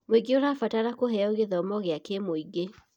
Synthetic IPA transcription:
mweɡeoɾafataɾakoɦɛɔoɣeðɔmɔɣeakemoiɡe

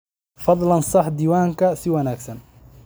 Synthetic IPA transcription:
fɑd̪ˤlɐnsɑħd̪iːwaːŋkʰɐsɪwɐnaːɡsɐn

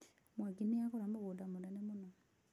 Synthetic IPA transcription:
mwaɡiniakɔɾamboɣodamodanɛmonɔ

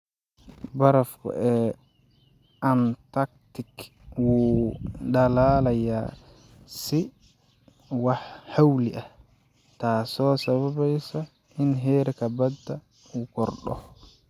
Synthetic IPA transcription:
baɾafkɔ̰ʔɛ | ʔantak̚tik | wu | dalaːlaja | si | wahawliʔa | tasɔsababajsa | inɦɛːɾɛkabadːa | wukɔɾɗɔ̰

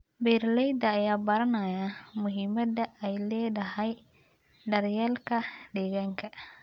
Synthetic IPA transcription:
bɛːrlɛjd̪ɐːjaːbɐɾɐnɐjamʊɦiːmɐd̪ɐɛjlɛːdɐɦɛj | ɖɐrjɛlkʰɐɖɛːɣaːŋkʰɐ

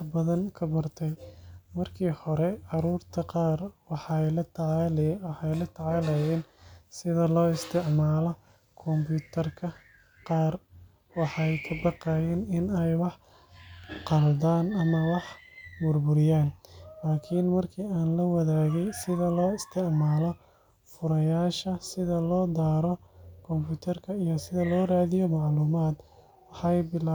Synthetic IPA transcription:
ħbɐðɐŋkʰɐbɐrt̪ʰɛjmɐrkʰiːhɔɾɛʕɑɾuːrt̪ʰɐqɑːrwɑħɑjlɐt̪ʰʕlwɑħɑjlɐt̪ʰʕɑːlɛjɛːnsɪðɐlɔːɪst̪ʰɪʕmaːlɔ | kʰɔmbjuːt̪ʰɐrkʰɐ | qɑːr | wɑħɑjkʰɐbɑqɑːjɛːnɪnɛjwɑħ | qɑld̪aːnɐmɐwɑħbʊrbʊɾɪjaːnlaːkʰiːnmɐrkʰiːaːnlɐwɐðaːɣɛjsɪðɐlɔːɪst̪ʰɪʕmaːlɔ | fʊɾɐjaːʃɐsɪðɐlɔːd̪aːɾɔkʰɔmpuːt̪ʰɐrkʰɐijɔsɪðɐlɔːraːðɪjɔmɑʕluːmaːd̪ | wɑħɑjbɪlaː

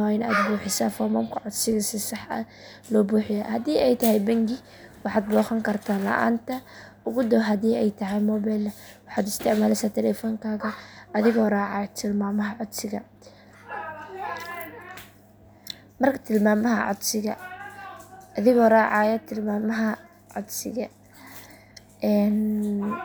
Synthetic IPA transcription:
waɪna̰ːd̪buːħɪsafɔrmɐmkʰɐʕʊd̪sɪɣɐsɪsɑħɐ̰ | lɔːbuːħɪja̰ːhɐd̪iːʔɛjt̪ʰɐɦɛjbɐŋɡɪ | wɑħɑːd̪̚bɔːχɐŋkʰɐrt̪ʰaːnlɐ̰ʔa̰ːnt̪ʰɐ | ʊɣʊd̪ɔɦɐdiːɛjt̪ʰɐɦɛjmɔːbɛjlwɑħɑːd̪ɪst̪ʰɪʕmaːlɛsaːt̪ʰɛlɛfɔːŋkʰaːɣɐɐðɪɣɔːrɑːʕɑːjt̪ʰɪlmaːmɐɦɐʕʊd̪sɪɣɐ | mɐrkʰɐ̥t̪ʰɪlmaːmɐɦɐ̰ʕʊ̰d̪sɪɣɐ̰ | ðɪɣɔːraːʕɑːjɐt̪ʰɪlmaːmɐɦɐ | ʕʊd̪sɪɣɐ | ʔɛːn

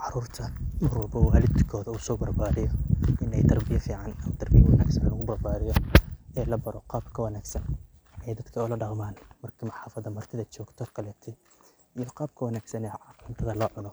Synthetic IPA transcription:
ʕɑɾuːrt̪ʰɐmɐrwɐlbɔwaːlɪd̪kʰɔːðɐuːsɔːbɐrbaːɾɪjɔɪnɛjt̪ɐrbɪjɐfiːʕɑnɐmɐt̪ʰɐrbɪjɐwɐna̰ːɡsɐnlɐɣʊbɐrbaːɾɪjɔɛːlɐbɐɾɔqɑːbkʰɐwɐnaːɡsɐn | ɛjd̪ɐd̪kʰɐʊlɐɖɑqmaːnmɐrkʰɐmɑħɑːfɐðɐmɐrt̪ʰɪðɐt͡ʃɔːɡt̪ʰɔkʰɐlɛːt̪ʰɪ | ijɔqɑːb̚kʰɐwɐnaːɡsɐnɛːʕɑqlɪnt̪ʰɐðɐlɔːʕʊnɔ

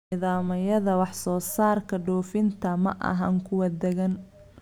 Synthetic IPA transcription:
ðaːmɐjɐðɐwɑħsɔːsaːrkʰɐɖɔːfɪnt̪ʰɐmɐ̰ʔɐ̰ɦɐ̰ŋkʰʊwɐd̪ɛɣɐn

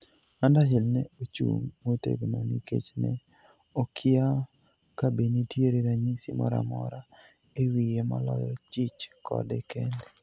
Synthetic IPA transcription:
mandaɦɪlnɛot͡ʃṵmːotḛɡnonḭkḛt͡ʃnɛ | okʰɪa | kabinitjeɾeɾaɲisimɔɾa̰mɔɾa | ewijema̰lɔjɔt͡ʃɪt͡ʃkʰɔ̰dɛkende

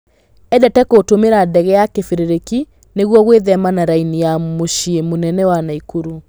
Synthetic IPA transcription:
ɛdɛtɛkotomeɾadɛɣɛjakefeɾeɾeki | neɣwɔɣweðɛmanaɾainijamoʃiemonɛnɛwanaikuɾu

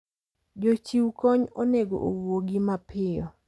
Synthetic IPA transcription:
d͡ʒot͡ʃiwkɔɲoneɡo̰ʔowoɡimapʰɪjɔ

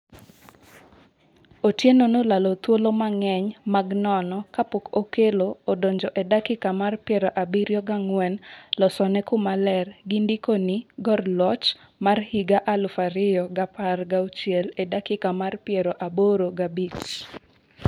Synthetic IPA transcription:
otjenonolalot̪wolomaŋɛɲmaɡnɔnɔkapokokeloodoɲd͡ʒɔʔedakɪkamarpjɛɾɔʔabiɾjɔɡaŋwɛnlɔsɔnɛkʊmalɛrɡindikonɪɡɔrlɔt͡ʃ | marhiɡaʔalʊfaɾɪjɔɡaparɡaut͡ʃjeledakɪkamarpjɛɾɔʔaboɾoɡabit͡ʃ

